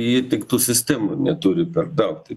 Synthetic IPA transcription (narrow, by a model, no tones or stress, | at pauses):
jɪːt̪ʲɪkt̪uːsʲɪsʲt̪ʲæːmʊnʲɛt̪uːɾʲɪpʲɛrd̪ɐʊt̪ʲɪ